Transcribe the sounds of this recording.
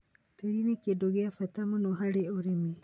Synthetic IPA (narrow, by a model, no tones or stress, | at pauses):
teɾinekiedoɡeafat̪amonoɦaɾeoɾemi